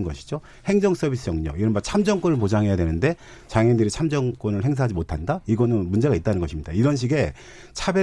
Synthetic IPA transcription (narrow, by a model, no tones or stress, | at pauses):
nɡʌɕʰi̥d͡ʑo | he̞ŋd͡ʑʌŋs͈ʌbʱis̬͈ʰɯjʌŋɲʌkiɾʌnbat͡ɕʰamd͡ʑʌŋk͈onɯɭpod͡ʑaŋɦe̞jadwe̞nɯnde̞ | t͡ɕaŋindɯɾit͡ɕʰamd͡ʑʌŋk͈onɯɭɦe̞ŋs̬ʰaɦad͡ʑimotʰandaiɡʌnɯnmund͡ʑe̞ɣɡait͈̚anɯnɡʌɕʰimɲidaiɾʌnɕ̬ʰiɡe̞ | t͡ɕʰabje